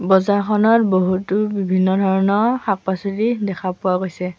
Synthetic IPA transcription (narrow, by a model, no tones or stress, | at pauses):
bɔzakʰɔnɔtboɦutubibʱinːɔdʱɔɹɔnɔxak̚pasulidɛkʰapʊaɡojsɛ